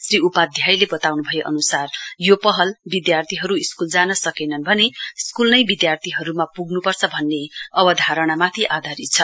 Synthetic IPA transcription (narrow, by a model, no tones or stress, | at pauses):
sriupad̪ʱjajlebʌt̪awnubʱʌjeʔʌ̰nusarjopʌɦʌlbid̪jart̪ʰiɦʌɾuiskuld͡zanʌsʌkenʌnbʱʌneskulnʌjbid̪jart̪ʰiɦʌɾumapuɡnupʌrt͡sʰʌbʱʌnːeʌbʌd̪ʱaɾʌɽ̃amat̪ʰiʔad̪ʱaɾit͡sʰʌ